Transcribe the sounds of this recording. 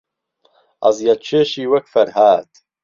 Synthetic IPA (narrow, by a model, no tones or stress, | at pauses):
ɐ̰zjat͡ʃʰeːʃiːwɐkfɐɾhaːd̪